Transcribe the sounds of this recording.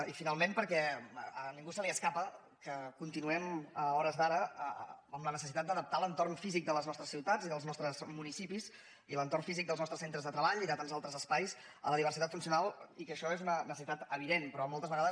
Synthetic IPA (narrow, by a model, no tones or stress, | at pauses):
ifinalˠmempəɾkɛəniŋɡusəliəskapə | kəkunt̪inuɛməɔɾəzðaɾəəəmlənəsəsit̪at̪̚d̪əðəp̚t̪alənt̪ornfizik̚d̪ələznɔst̪ɾəsiwt̪ad͡ziðəlˠznɔst̪ɾəzmunisipiz | ilənt̪orɱfizik̚d̪əlˠznɔst̪ɾəsent̪ɾəzðət̪ɾəβaʎiðət̪anzalˠt̪ɾəzəspajs | ə̰ləðiβəɾrsit̪at̪funsiunalˠikəʃɔezunənəs̬əsit̪at̪əβiðenpɾɔmɔlˠt̪əzβəɣaðə